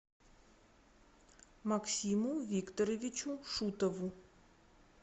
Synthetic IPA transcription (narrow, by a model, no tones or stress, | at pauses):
maksʲimuʋʲikt̪ɔɾɐʋʲit͡ʃuʂut̪ɔʋʊ